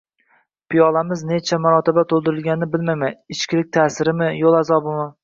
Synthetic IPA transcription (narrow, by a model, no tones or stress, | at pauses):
pʰijɒlˠamɪzne̞t͡ʃʰamaɾɒt̪ʰɪbat̪ʰolˠd̪ɪɾɪlˠɡʲanɪnɪbɪlmajmaɪt͡ʃkʲlɪk̚ʲt̪ʰaːsɪɾɪmɪjolˠazɒbɪma